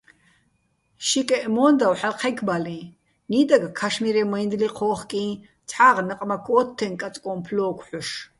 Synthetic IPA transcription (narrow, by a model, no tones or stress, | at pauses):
ʃikʼɛʔmɔːnd̪awħalqʰɛkʰbalĩ | nid̪aɡakʰaʃmiɾɛmɔind̪liqʰɔːχkʼĩː | t͡sʰħaːʁnəqʼmakʰɔːt̪ʰːɛnkʼat͡sʼkʼɔmpʰlɔːkʷʰħɔʃ